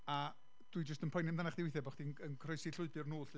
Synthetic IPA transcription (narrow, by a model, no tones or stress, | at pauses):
a | d̥wid͡ʒəstənpʰɔjnɪmdanaχdɪwɪθɛbɔχtd̥inənkʰrɔjsiɬʊɨbɨrnuːɬ